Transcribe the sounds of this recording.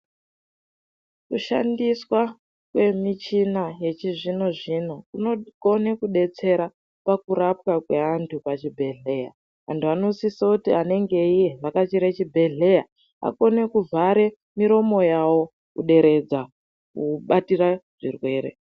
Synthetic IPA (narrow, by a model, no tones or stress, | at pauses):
kuʃa̰ndiswa | kwe̞mit͡ʃinaje̞t͡ʃiʐino̞ʐino̞kuno̞ɡo̞ne̞kuɗe̞t͡se̞ɾa | pakuɾap̚kakwe̞antʰupat͡ʃibʱe̞ɮe̞ja | ʋa̰ntuano̞sisakutiane̞ŋɡe̞ije̞akat͡ʃiɾet͡ʃibʱe̞ɮe̞ja | a̰ko̞ne̞kuvʱaɾe̞ | miɾo̞mo̞jawo̞ | kṵɗe̞ɾe̞d͡za | kuɓatiraʐ̥ḭrwe̞ːɾḛ